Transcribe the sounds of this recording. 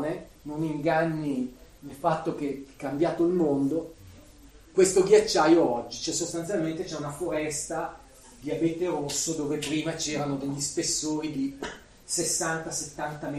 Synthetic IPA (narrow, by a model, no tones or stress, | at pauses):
ne | noniŋɡanːinelfat̪ːok̟eɛkːambjaːt̪oilmond̪o | kwest̪oɡjat͡ʃːajoɔd͡ʒːit͡ʃɛsost̪ant̪sjalment̪et͡ʃɛunafoɾɛst̪a | d̪iabeːt̪eɾosːod̪oːvepɾiːmat͡ʃɛːɾanod̪eʎːispesːoːɾid̪i | sesːant̪aset̪ːant̪am